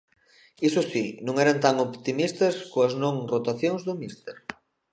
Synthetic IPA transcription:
isʊsinũŋɛɾɐnt̪aŋopt̪imist̪ɐskoɐznõŋrot̪aθjoŋzðʊmist̪eɾ

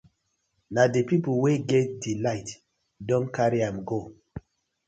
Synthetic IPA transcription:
nadepip̩weɡɛt̚dilaɪt | dɔ̃nkaɹiãmɡo

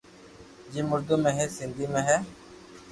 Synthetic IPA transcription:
d͡ʒiːmʊɾd̪uːmẽːɦɛːsɪnd̪ʱiːmẽːɦɛː

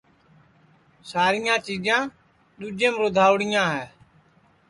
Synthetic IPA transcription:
saːɾɪjãːt͡ʃiːd͡ʒãː | ɗ̪uːd͡ʒẽːmɾod̪ʱaːʋɽɪjãːɦɛː

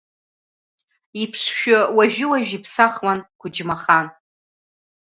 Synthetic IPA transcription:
ipʰʂʃᶣʊwaʒᶣɪwaʒᶣipʰsaχwanɡʷʰʊd͡ʒmaχan

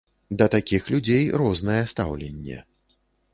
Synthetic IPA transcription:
d̪ɐt̪akʲixlʲud͡zʲejɾɔznɐjɛst̪a̰wlʲenʲːɛ̰

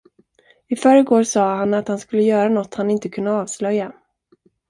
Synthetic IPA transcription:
ɪfœɾəɡoːɾsɑːhanat̪hanskɵlːəjœːɾanɔt̪ːhanɪnt̪əkʰɵnːaɑːvslœjːa

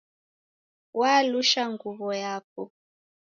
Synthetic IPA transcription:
waluʃaŋɡuβɔjaːk̚ɔ

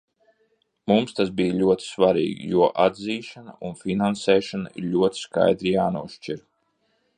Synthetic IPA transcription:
mumst̪asbijlʲuɔt̪i̥svaɾḭːɡḭjuɔʔad̪ziːʃana̰ʔunfʲinansɛːʃana̰ḭɾʎʲuɔt̪i̥ska̰jd̪ɾijaːnuɔʃt͡ʃiɾ

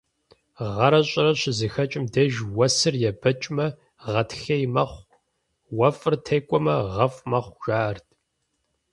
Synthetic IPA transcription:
ʁɐɾɐɕʼɪɾɐɕɪzɨxɐt͡ʃʼɪmdɐʒwɐsɨrjɛbɐt͡ʃʼmɐ | ʁɐtʰxɐjmɐχʷ | wɐfʼɨrtʰeːkʷʼɔmɐʁɐfʼmɐχʷʒ̥aːʔɐrtʰ

